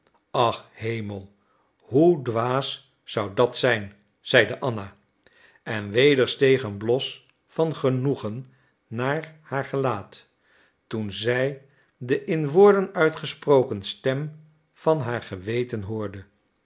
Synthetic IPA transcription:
ɑχhejməlˠ | ɦudʋaːsː | ʌwdɑtsɛjn | z̥ɛjdəʔɑna | ɛnʋejdəɹstejχənblɔs | fɑnχənuχənː | aːɹhaːɹχəlaːt | tunzɛj | dəʔɪnʋʊːɹdənœɥtχəsprowkənstɛm | v̥ɑnɦaːɹχəʋejtənɦʊːɹdə

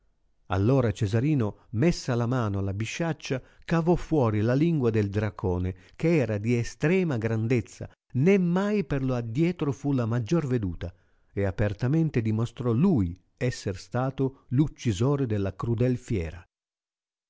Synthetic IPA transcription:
a̰lːoːɾat͡ʃɛzaɾiːnomɛsːalamaːnoalabiʃːat͡ʃːakavɔfːwɔːɾilaliŋɡwad̪eld̪ɾakʰoːne | keɛːɾad̪iɛst̪ɾɛːmaɡɾand̪et̪sːa̰ | nemːajperload̪ːjɛːt̪ɾofulamad͡ʒːorved̪uːt̪a | eapert̪amɛnt̪ed̪imost̪ɾɔluj | ɛsːerst̪aːt̪olut͡ʃːizoːɾed̪ɛlːakɾud̪ɛlfjɛːɾa

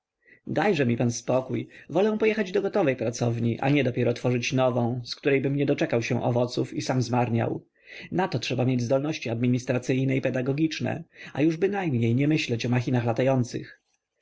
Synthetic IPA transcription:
d̪ajʐɛmʲipanspɔkujvɔlɛw̃pɔjɛxad͡ʑd̪ɔɡɔt̪ɔvɛjpɾat̪sɔvɲiʔa̰ɲɛd̪ɔpʲjɛɾɔt̪fɔʐɘt͡ɕnɔvɔ̃w̃skt̪uɾɛjbɘmɲɛd̪ɔt͡ʂɛkawɕɛ̰̃ʔɔ̰vɔt̪sufisamzmaɾɲa̰w | nat̪ɔtʂɛbamʲjed͡ʑzd̪ɔlnɔɕt͡ɕiad̪̚mʲiɲist̪ɾat̪sɘjnɛipɛd̪aɡɔɡʲit͡ʂnɛ̰a̰juʐbɘnajmɲejɲɛmɘɕlɛt͡ɕɔmaxʲinaxlat̪ajɔnt̪sɘ̰x

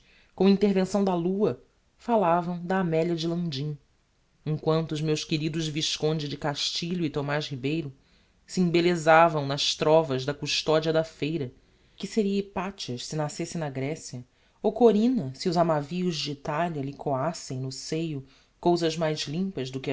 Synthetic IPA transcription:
kõɐĩnt̪eɾvẽsɐ̃w̃d̪ɐluɐ | falavɐ̃w̃d̪ɐaːmɛljɐd͡ʒɪlɐ̃d͡ʒĩ | ẽŋkwɐ̃nt̪ʊːzmewʃkeɾid̪ʊzviʃkõnd͡ʒɪd͡ʒɪkaʃt͡ʃiʎʊɪt̪omaʃhibejɾʊ | siẽbelezavɐ̃w̃nɐʃt̪ɾɔvɐʒd̪ɐkuʃt̪ɔd͡ʒiɐd̪ɐfejɾɐ | kɪseɾiɐipat͡ʃɐʃsɪnasesẽj̃nɐɡɾɛsjɐ | owkoɾĩnɐsiʊzamaviʊzd͡ʒɪːt̪aliɐlɪkʰoasẽj̃nʊsejʊ | kowzɐʒmajzlĩmpɐzd̪ʊkɪ

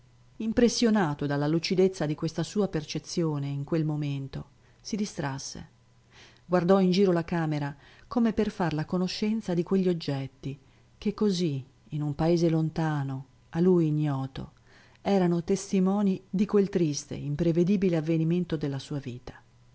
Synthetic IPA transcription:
impɾesːjonaːt̪od̪alːalut͡ʃid̪et̪sːad̪ikwest̪asuːapert͡ʃet̪sːjoːneiŋkwelmoment̪o | sid̪ist̪ɾasːḛ | ɡward̪ɔind͡ʒiːɾolakaːmeɾa | komeperfarlakonoʃːɛnt̪sad̪ikweʎːiod͡ʒːɛt̪ːi | kekːoziː | numpaeːzelont̪aːno | alujɲːɔːt̪o̰ | ɛːɾanot̪est̪imɔːnid̪ikwelt̪ɾist̪ḛimpɾeved̪iːbileavːeniment̪od̪elːasuːaviːt̪ḁ

